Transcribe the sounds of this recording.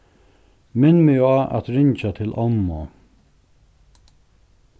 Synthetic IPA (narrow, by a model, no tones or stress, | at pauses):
mɪnmɪaːʔa̰t̪ɾɪɲt͡ʃat̪ʰɪlʔɔmːɔ